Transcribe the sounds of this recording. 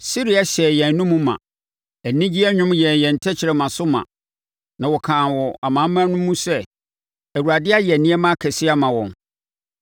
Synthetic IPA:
si˦ɾi˦a˦ɕɛ˨jɛ̃˨nnʊ̃˦mũ˦mã̰˨ | æ˨nĩ˦d͡ʑi˦ɛ˦ɲᶣʊ̃˦mjɛ˨jɛ̃˨n̩˨tʰɛ˦t͡ɕʰɪ˨ɾɛ˨mã˨sʊ˦mã̰˨ | nã˨wɔ˨kʰãː˨nwɔ˨a˨mãː˨˦mːã˦nʊ̃˦mːũ˦sɛ˦ | æ˨wu˨ɾa˨dɪ˦a˦jɛ˨nĩ˦ɛ˦mã˦˨kʰɛ˨sɪ˦a˦mã˨wɔ̰̃˨n

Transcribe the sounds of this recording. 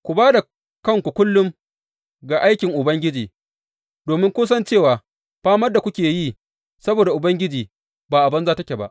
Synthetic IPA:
kʷu˨baː˦da˨ | kɐ˦ŋkʷu˨kʷʊ˦lːʊ˦m | ɡa˨ʔa˦jkʲɪ˨ŋʔʊ˨bɐ˦ŋɡʲɪ˦d͡ʒiː˨ | doː˨mɪ˦ŋkʷoː˦s̬ɐ˦nt͡ʃeː˦˨waː˨ | ɸaː˦mɐ˦rda˨kʷʊ˦kʲeː˨jiː˦˨ | sɐ˦boː˨da˨ʔʊ˨bɐ˦ŋɡʲɪ˦d͡ʒiː˨ | baː˨ʔa˨bɐ˦nzaː˦tɐ˦kʲe˨ba̰˦ʔ

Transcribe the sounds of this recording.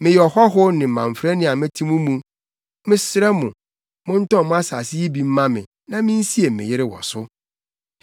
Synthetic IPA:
mɪ̃˨jɔ˨hɔ˦ɦʊ˦nɪ̃˨m̩˨mã˨ɱ˨fɾɛ˦nɪ̃˦a˨mɪ̃˦tʰĩ˦mũ˦mũ˦ | mɪ̃˦sɾɛ˦mʊ̃˨ | mʊ̃˦n̩˦tɔ̃˦˨mʊ̃˦a˦sa˨sɪ˦ji˦bi˨m̩˦mã˦mɪ̃˨ | nã˨mɪ̃˦n̩˦si˦e˨mɪ̰̃˨jɪ˦ɾɪ˦wɔ̰˨sʊ˦

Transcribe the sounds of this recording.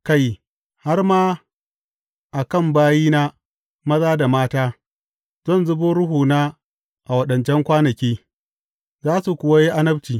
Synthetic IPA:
ka˦˨j | ha˦rmaː˦ | ʔa˨kɐ˦˨mbaː˦jiː˦na˦ | mɐ˦zaː˦da˨maː˦taː˦ | zɔ˦˨nzʊ˦boː˦ɾʊ˦ɦuː˨naː˦ | ʔa˨wɐ˦ɗɐ˨nt͡ʃɛ˦ŋkʷaː˦nɐ˨kʲiː˦ | zaː˦su˨kʷʊ˨wa˦ji˦ʔa˦nɐ˦b̚t͡ʃiː˨

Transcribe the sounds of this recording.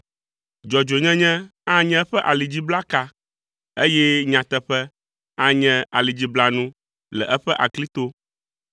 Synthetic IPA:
d͡ʒɔ˨d͡ʒo˨ɲɛ̃˦ɲɛ̃˦ã˦ɲɛ̃˦ɸɛ˦ʔa˨li˨d͡ʑi˦bla˦ka˦ | e˦jɛ˦ɲã˨t̪ɛ˦ɸɛ˦ | ã˦ɲɛ̃˦a˨li˨d͡ʑi˦bla˨nũ˦ | lɛ̰˨ʔɛ˦ɸɛ˦ʔa˨kli˦t̪o˦

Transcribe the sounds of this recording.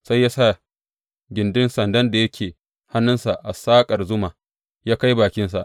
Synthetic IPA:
sa˦jːaː˦sa˦˨ | ɡʲɪ˨ndɪ˦nsɐ˨ndɐ˦nda˨jɐ˦kʲʰeː˨ | ha˦nːʊ˦nsa˨ʔa˨saː˦kʼɐ˨rzʊ˦maː˨ | jaː˦ka˦jbaː˨kʲɪ˦nsa˨ʔ

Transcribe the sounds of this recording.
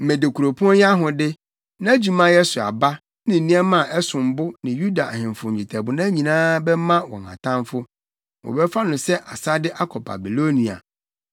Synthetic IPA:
mẽ˨de˨kʰu˨ɾo˨pʰu˦ɔ˦ja˦ɦʊ̃˨dɪ˦ | nã˦d͡ʑi˦mã˦jɛ˦sʊ˨a̰˨ba˦ | nɪ̃˨n̩˨nĩ˦ɛ˦mã˨ʔɛ˦sʊ̃˨m̩˨bʊ˦nɪ̃˨ju˦da˨a˨hɪ̃˨m˨fʊ̃˨ɲ̩˨d͡ʑi˨tʰɛ˨bʊ˨nã˦ɲĩ˨nãː˦bɛ˦mã˦wɔ̰̃˨ŋ˨kʰã̰˨tʰã˦mfʊ˦ | wɔ̰˨bɛ˦fa˦nʊ̃˨sɛ˦ʔa˨sa˦dɪ˦ʔa˦kʰɔ˨ba̰˨bi˨lo˦nĩ˨a̰˨

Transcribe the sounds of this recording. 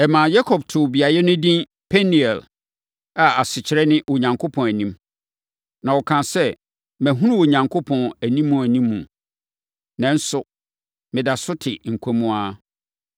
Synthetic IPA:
ɛ˨mã˨ja˦kʰɔ˨b̚tʰʊ˨bi˨a˨jɛ˦nʊ̃˦dĩ˦n | pʰɛ˦ni˨ɛ˨l | a˨a˨sɪ˨t͡ɕʰɪ˨ɾɛ˦nɪ̃˦wo˨ɲã˨ŋkʰo˦pʰɔ̃˨næ˨nĩ˦m | nã˨wɔ˨kʰã˨sɛ˦ | mæ̃˨ɦũ˦nũ˦wo˨ɲã˨ŋkʰo˦pʰɔ̃˨næ˨nĩ˦mːũ˨æ˨nĩ˦mːũ˨ | nɛ̃˦n̩˦sʊ˨ | mɪ̃˨da˨sʊ˦tʰɪ˨ŋ̩˨kʷʰo˦mũ˦a˦

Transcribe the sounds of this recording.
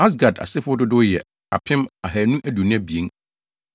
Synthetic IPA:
a˦s̬ɡa˨da̰˨sɪ˦fʊ˦ɔ˦dʊ˦dʊ˦jɛ˨ | a̰˨pʰɪ̃˦ma˨ɦæ˨nũ˦ʔæ˦du˨nɪ̃˦æ˦bi˨e˦n

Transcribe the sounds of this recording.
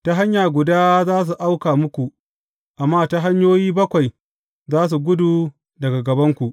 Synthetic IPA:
ta˦ɦa˦ɲjaː˨ɡʷʊ˨daː˦zaː˦s̬u˨ʔa˦wkaː˨mʊ˦kʷu˨ | ʔa˨mːaː˦ta˦ɦa˦ɲjoː˦jiː˦bɐ˦kʷa˨j | zaː˦s̬u˨ɡʷʊ˦duː˨ | dɐ˨ɡa˨ɡɐ˨bɐ˦ŋkʷu˨ʔ

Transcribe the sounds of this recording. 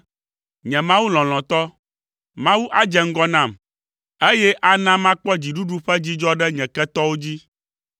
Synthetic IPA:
ɲɛ̃˨mã˦wu˦l̃ɔ̃˨l̃ɔ̃˨t̪ɔ˦ | mã˦wu˦ʔa˦d͡ʒɛ˨ŋ̩˦ɡɔ˦nã˦˨m | e˦jɛ˦ʔa˦nã˦mã˦k͡pɔ˦d͡ʑi˨ɖu˦ɖu˦ɸɛ˦d͡ʑi˦d͡ʒɔ˦ɖɛ˦ɲɛ̃˨kɛ˦t̪ɔ˦wo˦d͡ʑi˦

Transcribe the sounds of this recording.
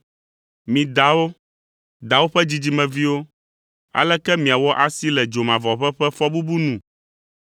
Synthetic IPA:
mĩ˨d̪a˨wo˦ | d̪a˨wo˦ɸɛ˦d͡ʑi˦d͡ʑi˦mɛ̃˨vi˦wo˦ | a̰˨lɛ˦kɛ˦mĩ˨a˨wɔ˦ʔa˨si˦lɛ˨d͡ʒo˨mã˨vɔ˨ɸɛ˦ɸɛ˦fɔ˦bu˦bu˦nũ˨

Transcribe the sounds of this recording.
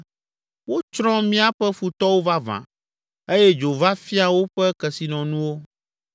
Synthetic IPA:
wo˦t͡ʃɾɔ̃˦mĩ˦a˦ɸɛ˦fu˨t̪ɔ˦wo˦va˦vã̰˨ | e˦jɛ˦d͡ʒo˨va˦fi˦a˨wo˦ɸɛ˦kɛ˨si˨nɔ̃˨nũ˦wo˦

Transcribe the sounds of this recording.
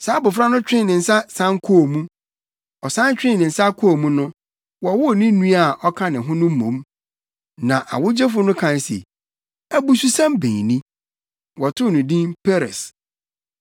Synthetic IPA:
saː˨˦bʊ˨fɾa˦nʊ̃˦t͡ɕᶣɪ̃˦˨nɪ̃˨n̩˨sa˦sã˦ŋkʰo˦˨mũ˦ | ɔ˨sã˦nt͡ɕᶣɪ̃˦nɪ̃˨n̩˨sa˦kʰo˦˨mũ˦nʊ̃˦ | wɔ˨˦wʊ˦˨nĩ˦nũ˦a˨ʔɔ˦kʰã˦nɪ̃˨ɦʊ̃˦nʊ̃˦m̩˦mõ˨˦m | nã˨ʔa̰˨wʊ˦d͡ʑɛ˦fʊ˦nʊ̃˦kʰã˨nsḛ˨ | æ˨bu˨su˦sã˦mbḛ̃˨nĩ˦ | wɔ˨tʰʊ˦˨nʊ̃˨dĩ˦npʰe˦ɾɛ̰˨s

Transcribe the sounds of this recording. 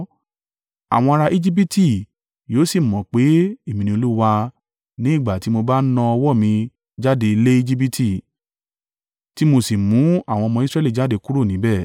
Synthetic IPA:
a̰˨w̃ɔ̃˧a˧ɾa˧ʔi˦d͡ʒi˦p̬i˦ti˦˨ | joː˨˦si˦˨mɔ̃˨k͡pe˨˦e˦˨mĩ˧nĩ˧o˧lu˦wa˧ | nĩ˦i˦˨ɡ͡ba˨ti˨˦mo˧ba˦nã˧ɔ˧wɔ˦˨mĩ˧ | d͡ʒa˦de˧i˧le˦i˦d͡ʒi˦p̬i˦tʰi˦˨ | ti˨˦mo˧si˨mũ˨˦a˦˨w̃ɔ̃˧mɔ̃˧i˦sɾɛ˦˨li˦˨d͡ʒa˦˨de˧ku˦ɾo˦˨nĩ˨˦bɛ˦˨

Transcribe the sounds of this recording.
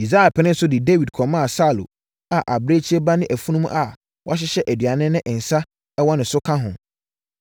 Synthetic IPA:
i˨za˦a˨pʰɪ˨nɪ̃˦n̩˦sʊ˦dɪ˨de˦wi˨dkʰɔ˨mã˦a˨sa˦˨lo̰˨ | a˨ʔa˨bɾe˦t͡ɕʰi˦ɛ˦ba˦nɪ̃˦ʔæ˨fũ˦nũ˦ṵ̃˦ʔa˨ | wʔa˦ɕ̬ɪ˦ɕɛ˦ʔæ˨dɥa˨nɪ̃˦nɪ̃˦ʔɪ˨n̩˨sa˦ | ɛ˦wɔ˦nɪ̃˨sʊ˦kʰã˦ɦʊ̰̃˨

